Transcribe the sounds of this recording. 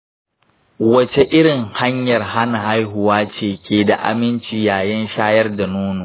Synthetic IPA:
wɐ˦t͡ʃe˦ʔɪ˦ɽɪ˨ŋha˦ɲjɐ˨rha˦na˨ha˦jɦʊ˨waː˦t͡ʃeː˨kʲʰeː˨da̰˨ʔa̰˨mɪ˦nt͡ʃiː˨jaː˨jɐ˦nʃaː˦jɐ˦rda˨noː˦noː˨

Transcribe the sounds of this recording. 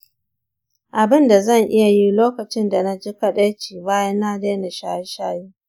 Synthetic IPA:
ʔa˨bɪ˦nda˨zɐ˦˨ŋʔɪ˦ja˨ji˦loː˦kɐ˨t͡ʃɪ˦nda˨na˦d͡ʒɪ˦kɐ˦ɗɐ˦jt͡ʃiː˨baː˦jɐ˦nːa˦deː˦na˨ʃaː˦ʃaː˦jiː˦

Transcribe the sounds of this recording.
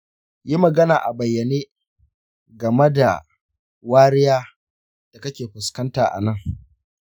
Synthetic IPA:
ji˦mɐ˨ɡɐ˦naː˨ʔa˨bɐ˨jːɐ˨neː˦ | ɡɐ˨me˦da̰˨ | waː˦ɾɪ˦jaː˦ | d̥a˨kɐ˦kʲeː˨ɸʊ˨skɐ˦ntaː˨ʔa̰˨nɐ˦˨ŋ

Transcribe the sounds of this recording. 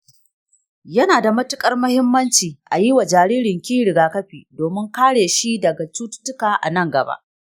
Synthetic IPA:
jɐ˦naː˨da˨mɐ˦tʊ˦kʼɐ˦rmɐ˦hɪ˦mːɐ˦nt͡ʃiː˨ʔa˨ji˦wa˨d͡ʒaː˨ɽiː˦ɽɪ˨ŋkʲiː˦ɽɪ˨ɡaː˦kɐ˦ɸiː˨doː˨mɪ˦ŋkaː˦ɽeː˨ʃi˦dɐ˨ɡa˨t͡ʃuː˦tʊ̥˦tʊ˦kaː˨ʔa̰˨nɐ˦˨ŋɡɐ˨ba̰ː˦ʔ

